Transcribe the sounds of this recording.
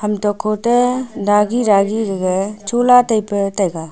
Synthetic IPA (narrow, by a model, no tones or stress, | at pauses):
hamtɔkʰɔtedaɡiɾaɡiɡɡet͡ʃolatajpetajɡa